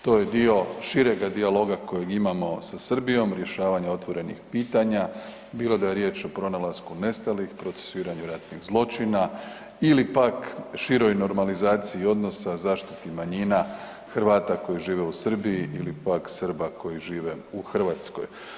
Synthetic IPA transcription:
t̪o̞je̞d̪io̞ʃiɾe̞ɡad̪ialo̞ɡako̞jeɡimamosasrbijo̞mɾje̞ʃaːʋaɲeo̞t̪ʋo̞ɾe̞nḭxpiːt̪aɲa | biːlˠo̞d̪ajeɾje̞ːt͡ʃo̞pɾo̞nalaskune̞st̪alixpɾo̞t̪se̥suiːɾaɲuɾat̪niɣzlˠo̞t͡ʃina | ilipakʃiɾo̞jno̞ɾmalizaːt̪sijio̞d̪no̞sazaːʃt̪it̪imaɲina | xrʋaːt̪ako̞jiʒiːʋeusr̩biiʔilipaksər̩bako̞jiʒiːʋe̞uxr̩ʋaːt̪sko̞̰j

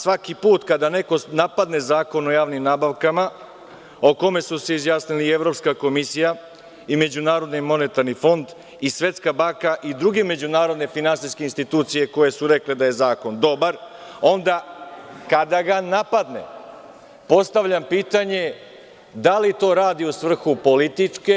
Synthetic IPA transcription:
sʋakipuːt̪kad̪ane̞ko̞napad̪ne̞zaːko̞no̞jaːʋnimnabaʋkama | o̞ko̞me̞suseizjaːsnilie̞ʋɾo̞pskako̞misija | ime̞d͡ʑunaːɾo̞d̪nimo̞ne̞t̪aɾnifo̞nd̪ | isʋe̞t̪skabaŋkaʔid̪ɾuɡe̞me̞d͡ʑunaːɾo̞d̪ne̞finansiskeinst̪it̪uːt̪sije̞ko̞je̞suɾe̞kled̪aje̞zaːko̞nd̪o̞baɾo̞nd̪akad̪aɡanapad̪ne̞̰ | po̞st̪aʋʎampiːt̪aɲe̞ | d̪alit̪o̞ːɾaːd̪iusʋr̩xupo̞lit̪it͡ʂke

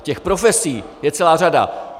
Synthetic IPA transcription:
cɛxpɾo̞fɛsiːjɛt͡sɛlaːr̝ada̰

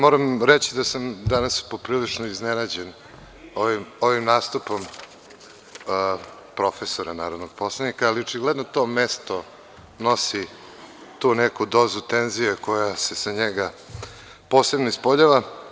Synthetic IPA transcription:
mo̞ɾamɾet͡ɕid̪asamd̪anaspo̞pɾiːlit͡ʂnoiznenad͡ʑen | oʋimo̞ʋimnaːst̪upo̞m | pɾo̞fesoɾanaːɾod̪noɡ̥̚po̞slˠanikaːliot͡ʃiɡled̪not̪o̞mest̪o | no̞si | t̪unekud̪o̞ːzut̪enzijeko̞jase̞saɲeɡa | po̞ːsebnoispoʎaʋa

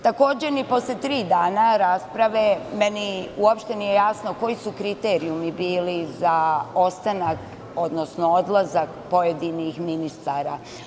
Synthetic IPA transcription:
t̪ako̞ːd͡ʑenipo̞slet̪ɾiːd̪aːnaɾaspɾaʋeme̞niuopʃt̪e̞nijejaːsno̞ko̞jisukɾit̪e̞ːɾiumibiːlizaost̪anak | o̞d̪no̞sno̞od̪lˠazakpo̞je̞d̪inixminist̪aːɾa

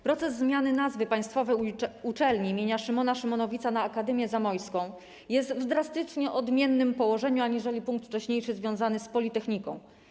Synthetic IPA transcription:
pɾɔt̪sɛzːmʲjanɘnazvɘpaj̃st̪fɔvɛjut͡ʂɛlɲiimʲjeɲaʂɘmɔnaʂɘmɔnɔvʲit̪sanaːkad̪ɛmʲjɛzamɔjskɔ̃w̃ | jɛst̪vd̪ɾast̪ɘt͡ʂɲɛʔɔd̪mʲjɛnːɘmpɔwɔʐɛɲuaɲiʐɛlʲipuŋk̚t̪ft͡ʂɛɕɲejʂɘzvʲjɔ̃w̃zanɘspɔlʲit̪ɛxɲikɔ̰̃w̃

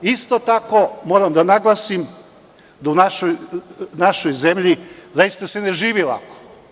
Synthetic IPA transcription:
ist̪ot̪ako̞mo̞ːɾamd̪anaɡlˠasim | d̪aunaʃojnaʃo̞jze̞mʎizajist̪asene̞ʒiːʋilˠa̰ko̥

